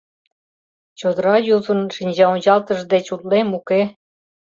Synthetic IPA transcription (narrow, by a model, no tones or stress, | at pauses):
t͡ɕod̪əɾɑjuzə̆nʃinʲd͡ʑɑonʲt͡ɕɑlt̪ə̆ʒd̪et͡ɕut̪lemuke